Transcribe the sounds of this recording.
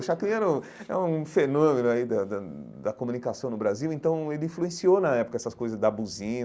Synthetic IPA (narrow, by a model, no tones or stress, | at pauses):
ʃakĩjɛɾɐũ | ɛ̰̃ũũfenõmẽnʊaid̪ɐd̪ɐ | d̪ɐkomũnikasɐ̃w̃nʊbɾaziwẽnt̪ɐ̃w̃elɪĩfluẽsionɐɛpʊkɐɛsɐskojzɐzd̪ɐbuzĩ